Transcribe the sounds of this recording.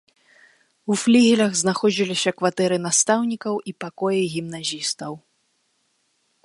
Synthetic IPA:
uflʲiɣʲilʲɐɣznaxɔd͡zʲilʲisʲɐkvat̪ɛɾɨn̪ast̪awnʲikɐwʔipakɔjiɣʲimnazʲist̪ɐw

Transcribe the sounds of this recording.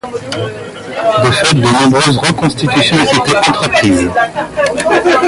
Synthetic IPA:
d̪əfɛt̪̚d̪ənɔ̃bʁøzʁəkɔ̃st̪it̪ysjɔ̃et̪et̪eʔãt̪χak̚t̪iːz

